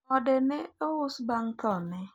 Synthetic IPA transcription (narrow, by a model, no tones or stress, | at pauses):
ɔdɛnɛɔʊsbaŋt̪ɔnɛ